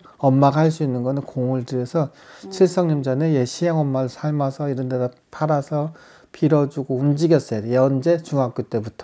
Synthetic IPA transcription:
ʌmːaɡahaɭs͈uinːɯnɡʌnɯnkoŋɯɭdɯɾjʌsʰʌ | t͡ɕʰiɭs͈ʌŋɲimd͡ʑʌne̞jeɕʰiaŋʌmːaɾɯɭsʰaɭmasʰʌiɾʌndedapʰaɾasʰʌ | pʰiɾʌd͡ʑuɡoumd͡ʑiɡjʌs͈ʌdjʌnd͡ʑe̞t͡ɕuŋɦak͈ut͈e̞butʰʌ

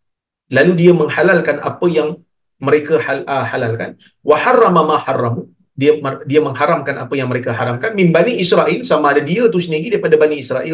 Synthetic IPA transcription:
laludiaməŋhalalkanʔa̰pəjaŋ | məɾekahaəhalalka̰n | waħarːɑmamãħarːɑmu | diamdiaməŋɦaɾamkana̰pəjaŋməɾekaɦaɾamkanminbaniʔisɾaʔilsamaːdadiat̪usəniɡidaɾipadabaniisɾa̰ʔi

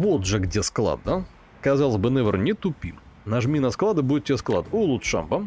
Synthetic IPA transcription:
vot̪ʐɨɡdʲesklˠa̰d̪nə | kɐzɑlˠəzʲbɨnɛvʲɾnʲɪt̪ʊpʲim | naʐmʲinɐsklˠad̪əbuɪt̪tʲːɪsklˠa̰d̪ulˠut̪ʂa̰mbə

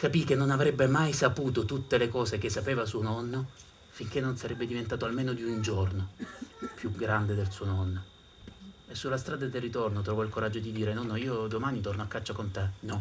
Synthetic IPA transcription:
kapikenːonavɾebːemajsapuːt̪ot̪ut̪ːelekɔːsekesːapeːvasuːonɔnːo | fiŋk̟enːonsaɾɛbːed̪ivent̪aːt̪oalmeːnod̪iund͡ʒornopjuɡɾand̪ed̪elsuːonɔnːo | esːulːast̪ɾaːd̪ad̪erːit̪ornot̪ɾɔːvɔilkoɾad͡ʒːod̪id̪iːɾenɔnːoiːod̪omanit̪ornoakːat͡ʃːokont̪ɛnɔ

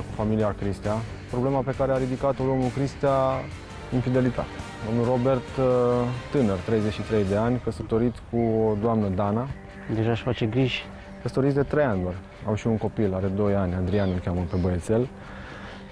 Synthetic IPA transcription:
kufamiliakɾist̪ea | pɾo̞ble̞mape̞kaɾe̞aɾid̪ikat̪olomnukɾist̪ea | infid̪e̞lit̪a̰t̪e̥d̪o̞mnuro̞be̞rt̪ː | ɨnərt̪ɾe̞jzet͡ʃʃit̪ɾe̞jd̪e̞anʲkəsət̪o̞ɾit̪sʲkuod̪oamnəd̪ana | d̪eʒaːʃfat͡ʃe̞ɡɾiʒ | kəsə̥t̪oɾit̪sʲd̪e̞t̪ɾejanʲd̪arʲ | a̰mʃiunko̞pilaɾe̞d̪o̞janʲand̪ɾianulkʲaməpe̞bəjet̪se̞l

